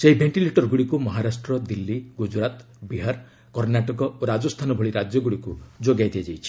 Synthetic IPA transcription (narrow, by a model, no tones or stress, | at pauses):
seɦibʱeɳʈileʈɔɾɡuɽikumɔɦaɾasʈɾɔd̪ilːiɡud͡ʒɾat̪ | biɦaɾ | kɔɾnaʈɔkɔoɾad͡ʒɔst̪ʰanɔbʱɔɭiɾad͡ʒjɔɡuɽikud͡ʒoɡajd̪ead͡ʒajt͡ʃʰi̥